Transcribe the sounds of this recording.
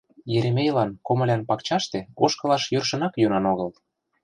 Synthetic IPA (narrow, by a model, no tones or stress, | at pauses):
jeɾemʲejlɑnkomɤ̆lʲænpɑkt͡ɕɑʃt̪eoʃkɤ̆lɑʃjørʃə̆nɑkjønɑnoɣɤl